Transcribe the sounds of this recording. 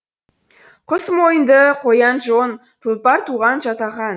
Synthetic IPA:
qʰʊsmo̞jənd̪əqʰojɑnʒon | t̪ʰəlˠpɑɾt̪ʰuʁɑnʒɑt̪ɑʁɑn

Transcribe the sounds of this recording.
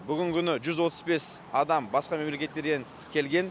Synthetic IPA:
bʏɡʲɪŋkʲʰʏnɪʒʏzwo̞t̪əzbe̞s | ɑd̪ɑmbɑsqɑme̞mle̞kʲe̞t̪ːe̞ɾd̪ʲeŋ | kʲʰe̞lɡʲe̞n

